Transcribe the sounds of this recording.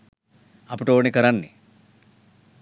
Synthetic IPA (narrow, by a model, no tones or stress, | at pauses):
ɐpːuʈoːnikɐɾanːḭ